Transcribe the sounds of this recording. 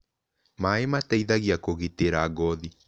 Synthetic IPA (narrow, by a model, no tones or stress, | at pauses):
maemataiðaɣiakoɣiteɾaːɡɔði